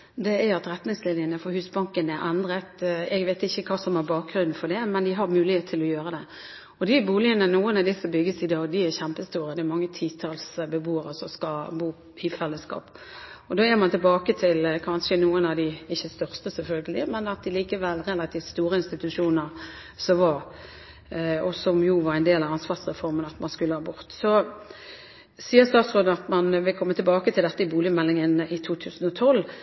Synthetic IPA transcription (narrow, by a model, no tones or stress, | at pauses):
d̪ɛæɾɑt̪ɾɛt̪nɪŋsleːnɪənəfɔɾhʉːsbɑŋkənɛɾʔɛnd̪ɾət̪ɛɡʋɛɪt̪ɪçːəkʰɑːsɔmæɾbɑːk̚ɡɾʉnn̩fɔd̪ɛmɛnd̪ɪɦɑɾmʉːlɪheːt̪ʰːɪlɔjøːɾəd̪ɛ | ɔd̪ɪbuːlɪənənuːənɑd̪ɪsəbʏɡːəsɪd̪ɑːɡd̪ɪæɾçæmpəst̪uːɾəd̪ɛːɾmɑŋːət̪ʰiːt̪ʰɑlsbəbuːəɾəsɔskɑbuː | ifɛlːəskɑ̰ːp | ɔd̪oːɛmɑnt̪ɪlbɑːkət̪ʰɪlkʰɑnʂənuːənɑʋd̪ɪɪçːəst̪œʁst̪əsɛlfœlɡəlɪ̰mɛnɑt̪̚ɪliːkəʋɛlːʁɛlːɑt̪ʰiːft̪st̪uːɾəɪnst̪ɪt̪ʉʂuːnəɾ | sɔʋɑɾ | ɔsɔmjuʋɑɾæɪnd̪eːlɑʋɑnsʋɑʁsʁɛfɔʁmənɑt̪mɑnskʉlːəhɑːbʊʁt̪sɔ | siːəst̪ɑːt̪sʁoːd̪əɑt̪mɑnʋɪlkʰɔmːət̪ʰɪlbɑːkət̪ʰɪld̪ɛt̪ːəɪbuːlɪmɛlːɪŋənʔɪt̪ʰuːt̪ʰʉːsn̩ɔt̪ʰɔlː